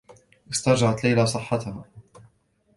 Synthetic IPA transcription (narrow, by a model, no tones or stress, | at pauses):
ʔɪst̪ɑɾˤd͡ʒaʕat̪lajlasˤɨħːɑt̪ha